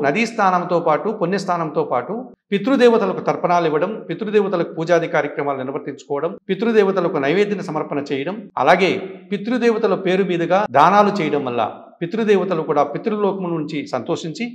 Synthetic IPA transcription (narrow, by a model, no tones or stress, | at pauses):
nɐd̪ist̪ʰaːnɐmt̪o̞ːpaːʈukonːist̪ʰaːnɐmt̪o̞ːpaːʈu | pit̪ɾud̪ɛːʋɐt̪ɐlɐkut̪ɐɾpɐnaːliʋːɐɽɐmpit̪ɾud̪ɛːʋɐt̪ɐlɐkupuːd͡ʒaːd̪ʱikaːɾjɐkɾɐmaːluniɾɐʋɐɾt̪iɲt͡ʃu̥kɔːʋɐɽɐmpit̪ɾud̪ɛːʋɐt̪ɐlɐkɐnɐjʋeːd̪inɐsɐmɐɾpɐnɐt͡ʃɛːjɐɽɐmɐ̰laːɡe̞ːpit̪ɾud̪ɛːʋɐt̪ɐlɐpe̞ːɾumiːd̪ɐɡaːd̪aːnaːlut͡ʃɛːjɐɽɐmʋɐlːa̰ː | pit̪ɾud̪ɛːʋɐt̪ɐlukuːɽaːpit̪ɾuloːkɐmnuɲt͡ʃisɐnt̪o̞ːʂiɲt͡ʃi